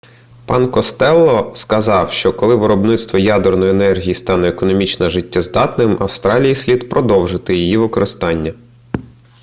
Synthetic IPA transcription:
pɑnkɔst̪ɛlˠːɔskɐzɑwʃt͡ʃɔkɔlˠɪʋɪɾɔbnɪt̪st̪ʋɔjɑd̪ernɔjenɛrɦʲijist̪ɑnɔekɔnɔmʲit͡ʃnɐʒɪtʲːazd̪ɑt̪nɪmɐwst̪ɾɑlʲijisʲlʲid̪pɾʔɔd̪ɔwʒɪt̪ɪjijiʋɪkɔɾɪst̪ɑnʲːɐ

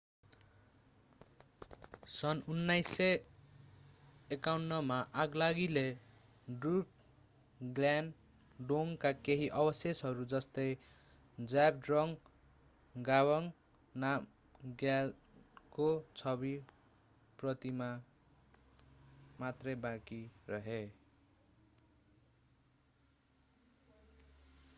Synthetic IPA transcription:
sʌnunːajse | ekawnːʌmaʔaɡlaɡile | ɖruk | ɡlan | ɖoŋkakeɦiʔʌbʌsjesɦʌɾud͡zʌst̪ʌj | d͡zab̚ɖrʌŋ | ɡawʌŋ | nam | ɡjal | kot͡sʰʌbi | prʌt̪ima | mat̪rʌjbãkirʌɦe

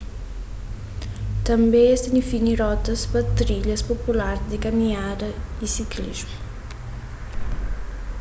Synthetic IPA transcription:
t̪ɐmbeest̪inifinirɔt̪ɐspat̪ɾiʎɐspopulaɾzd̪ikamiadɐisiklḭzmu

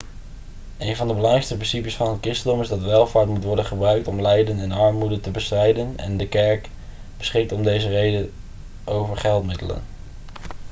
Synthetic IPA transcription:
ʔejnvɑndəbəlɑŋrɛjkstəprɪnsipəsfɑnɦət̚kɪstədɔmɪzdɑtʋɛlˠvaːɹtmutʋɔɹdənχəbrœɥk̚tɔmlɛjdənɛnɑɹmudəntəbəstrɛjdənɛ̰ndəkɛɹk | b̥əsχɪk̚tɔmdejzərejdən | ʔowvəɹχɛlˠtmɪdələ̰n

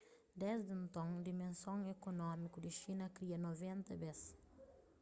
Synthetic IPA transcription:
d̪ɛzd̪ẽnt̪õŋd̪imẽnsõŋekonɔmikud̪ɪʃinɐkɾiɐnovẽnt̪ɐbɛs

